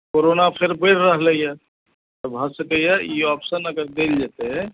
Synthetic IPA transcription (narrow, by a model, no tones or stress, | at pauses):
koɾonapʰeɾbəɾːəɦleja | t̪əbɦəsəkəjaiɔpsənəɡəɾd̪eld͡ʒat̪eɦɛ